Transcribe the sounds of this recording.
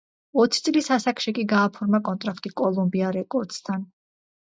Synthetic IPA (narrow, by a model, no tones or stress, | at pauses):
ɔt̪sʰi̥t̪sʼlisasakʃikʼiɡaːpʰɔɾmakʼɔnt̪ʼɾakʰt̪ʼikʼɔlˠumbiaɾɛkʼɔɾd̪st̪ʰan